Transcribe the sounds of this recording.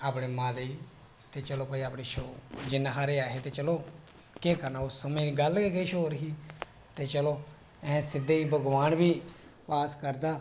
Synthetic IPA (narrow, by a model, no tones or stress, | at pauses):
aːpɳeːmãːd̪eiː | t̪eːt͡ʃəloːpəiːaːpɳiːʃoːd͡ʒɪnːãːkʰaːɾeaːɦeːt̪eːt͡ʃəloː | keːkəɾnaːʊsːəmẽːɡəlkekeiːʃoːɾɦiː | t̪eːt͡ʃəloː | ɛ̃sɪd̪eːiːbəɡʋaːnʋiːpaːskəɾd̪aː